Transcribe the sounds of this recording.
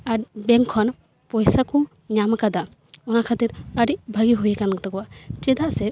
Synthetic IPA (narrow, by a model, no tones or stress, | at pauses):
aɾbɛŋkʰɔn | pɔjsaku | ɲamkad̪a | ɔnakʰat̪iɾəɾiʔbʱaɡiɦujkankɔt̪ɔkɔwaʔt͡ʃɛd̪aʔsɛ